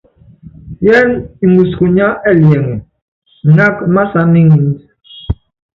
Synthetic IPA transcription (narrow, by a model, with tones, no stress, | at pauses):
jɛ˦ni˨mu˨sku˨ɲa˦ʔɛ˦˨ljɛ˨ŋɛ˨ | na˦kma˦sa˦mi˦ŋi˨n˦t